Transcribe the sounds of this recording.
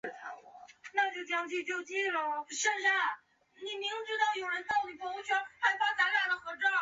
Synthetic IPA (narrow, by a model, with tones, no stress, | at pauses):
na˥˧t͡ɕjo˥˩ʊt͡ɕjɑ˥ŋt͡ɕy˥˧t͡ɕjo˥ʊt͡ɕi˥lə˧˥ʂə˥˧nʂa˥˩ | ni˨˩mi˧˥ŋʈ͡ʂɻ̩˥t̪ɑ˥˩ʊjo˨˩ʊɻə˧˥nt̪ɑ˥˩ʊly˨˩pʰɔ˧˥u˥t͡ɕʰa˥nxa˧˥ɪfa˥t͡sa˧˥ʈ͡ʂa˨˩d̪ə˧xɤ˧˥ʈ͡ʂɑ˥˩